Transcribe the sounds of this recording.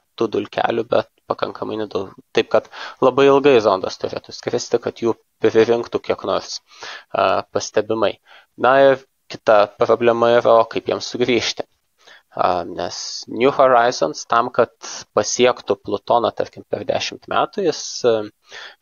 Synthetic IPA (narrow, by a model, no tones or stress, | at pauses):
t̪uːd̪ʊlʲkʲæ̰ːlʲʊbʲɛt̪pɐkɐŋkɐmɐɪnʲɛd̪ɐʊt̪ɐɪp̚kɐt̪lˠɐbɐɪɪlˠɡɐɪzond̪ɐst̪ʊɾʲḛːt̪ʊsʲkʲɾʲsʲt̪ʲɪkɐt̪juː | pʲɾʲɪɾʲɪŋkt̪ukʲiɛknoːrs | pɐsʲt̪ʲɛbʲɪmɐɪ | nɐɪr | kʲɪt̪ɐpɾoːbʲlʲɛmɐiɾɐoːkɐɪpjiɛmssʊɡɾʲiːʃʲt̪ʲɪ | ɐ̰nʲɛsnʲjuhoɾɐɪzo̰nst̪ɐmkɐt̪pɐsʲiɛkt̪ʊplˠʊt̪oːnɐt̪ɐɾʲkʲɪmpʲɛɾd̪ʲæ̰ːʃʲɪmt̪mʲæːt̪ʊjɪs